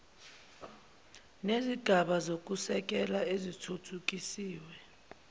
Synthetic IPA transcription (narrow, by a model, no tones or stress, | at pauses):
neziɡ̥ʱaɓazok̬ʼusɛk̬ʼɛlaezitʰutʰuk̬ʼisiːwɛ